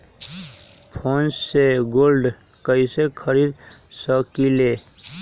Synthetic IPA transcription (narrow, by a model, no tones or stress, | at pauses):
pʰonsseɡoːlɖ | kəisekʰəɾid̪səkile